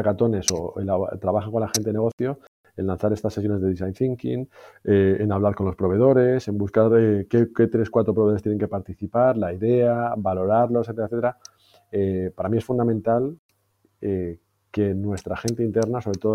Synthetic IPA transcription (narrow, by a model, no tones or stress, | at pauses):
kat̪o̞ne̞so̞ḛlat̪ɾaβaxako̞nlaxent̪eeneo̞θjo̞ | enlan̟θaɾe̞st̪asːejone̞zðe̞isajnθiŋkḭŋeenaβlaɾko̞nlo̞spɾo̞β̞e̞ð̞o̞ɾe̞se̞mbuskaɾekeet̪ɾe̞skwat̪ɾo̞pɾoβot̪ene̞ŋke̞paɾt̪iθipaɾlaiðe̞abalo̞ɾaɾlo̞sθet̪eɾeθet̪eɾa | epaɾamie̞sfund̪amẽnt̪al | e | ke̞nwe̞st̪ɾaxe̞nt̪e̞int̪e̞ɾnaso̞βɾe̞t̪o̞ð